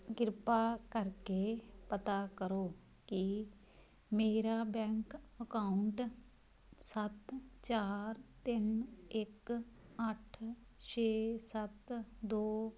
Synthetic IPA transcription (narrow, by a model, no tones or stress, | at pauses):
ɡɪɾpaːkəɾkepət̪aːkəɾoː | ki | meːɾaːbɛ̃ːŋkəkaːʊɳʈ | sət̪t͡ʃaːɾt̪ɪnɪkəʈʰ | t͡ʃʰeːsət̪d̪oː